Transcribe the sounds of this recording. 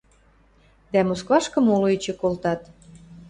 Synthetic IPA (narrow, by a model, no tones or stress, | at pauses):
d̪æmoskvɑʃkə̆moloet͡ɕĕkolt̪ɑt̪